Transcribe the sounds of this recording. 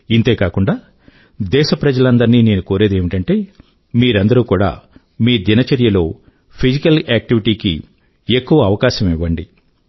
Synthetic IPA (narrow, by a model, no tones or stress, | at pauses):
int̪e̞ːkaːkuɳɖaː | d̪ɛːʃɐpɾɐd͡ʒɐlɐnd̪ɐɾnine̞ːnukoːɾe̞ːd̪eːmiʈɐɳʈe̞ː | miːɾɐnd̪ɐɾuːkuːɽa̰ː | miːd̪inɐt͡ʃɐɾjɐlo̞ː | pʰid͡ʒikɐlaːk̚ʈiʋiʈiːkḭ | ekːuʋɐːʋɐkaːʃɐmiʋːɐɳɖi